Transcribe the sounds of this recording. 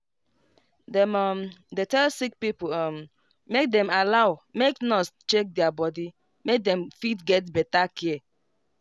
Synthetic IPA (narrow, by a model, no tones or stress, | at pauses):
dɛmɔmdetɛlsik̚pipoɔm̩ | mek̚dɛ̃malaʊmeknɔst͡ʃek̚dɛabɔdi | mek̚dɛ̃mfitɡɛt̬bɛtakʰiɛ